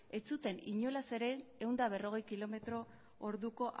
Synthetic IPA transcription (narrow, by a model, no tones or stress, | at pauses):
e̞t͡sut̪e̞niɲo̞lase̞ɾe̞ːwnd̪aβ̞e̞ro̞ɣ̞e̞jkilo̞me̞t̪ɾo̞ | oɾðuko̞ʔ